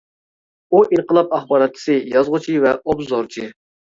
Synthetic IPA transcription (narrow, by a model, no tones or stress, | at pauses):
uʔinqəlˠɑp̚ɑχbɑːɾɑt̪̚ːʰɪ̥sɨjɑzʁʊt͡ʃʰivɛʔobzoɾt͡ʃʰi